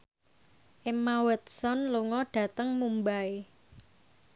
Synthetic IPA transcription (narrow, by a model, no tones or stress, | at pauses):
ʔemawət̪̚sɔnluŋɔɖ̥ä̤t̪əŋmumbae